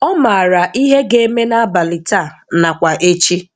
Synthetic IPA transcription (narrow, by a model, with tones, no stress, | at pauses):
ɔ˦ma˨a˨ɾa˨ʔi˦ɦe˦ɡe˦e˦me˦na˦a˦ba˨li˨ta˦˨na˨kʷa˨ʔe˦t͡ʃi˦